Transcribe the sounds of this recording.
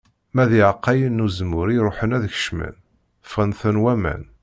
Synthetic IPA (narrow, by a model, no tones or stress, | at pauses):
mæðiʕəqːæjənːuzəmʊɾiɾˤoħənæðçə̥ʃmə̰n | fʁənθənwæmæ̰n